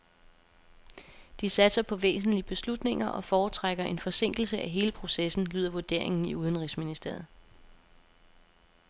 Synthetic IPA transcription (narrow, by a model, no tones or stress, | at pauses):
d̥isæd̥sɐpʰɒ̽ʋḛːsn̩liəb̥e̝slud̥ne̝ŋɐʔɒ̽fɒːt͡sʰʁaɡ̥ɐʔe̝nfɒ̽se̝ŋ̰ɡ̥l̩səʔæɦe̝ːləpʰʁo̝sesn̩lyːð̰ˠɐʋoɐd̥e̝̰ɐ̰e̝ŋn̩iuð̞ˠən̩ʁisminisd̥e̝̰ɐð̩ˠ